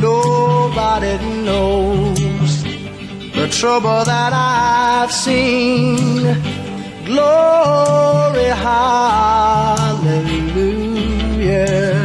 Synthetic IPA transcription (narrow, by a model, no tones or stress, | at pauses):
oʊbaɾinoʊz | ðətʰɹ̥ʌbl̩ˠðəɾaɪv̥sĩn | ɡlɔ | ɹiɦa | lɛlumjɨ